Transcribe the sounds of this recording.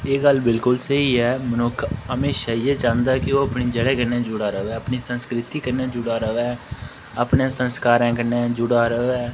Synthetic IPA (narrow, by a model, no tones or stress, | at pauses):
eːɡəlbɪlkʊlsəɦiːɦɛːmənʊkʰəmeːʃaːɪjeːt͡ʃãːnd̪aːkɪoːəpniːd͡ʒəɽɛːkəɾnẽːd͡ʒʊɽaːɾəoɛːəpniːsənskɾɪt̪iːkəɾnẽːd͡ʒʊɽaːɾəɛː | əpnẽsənskaːɾɛ̃ːkəɾnẽːd͡ʒʊɽaːɾəoɛː